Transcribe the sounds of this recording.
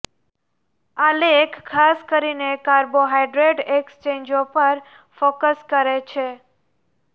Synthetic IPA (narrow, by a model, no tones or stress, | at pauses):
alekʰkʰːaskəɾinekaɾboɦajɖɾeɖekst͡ʃẽɲd͡ʒopəɾ | fokəskəɾet͡ʃʰe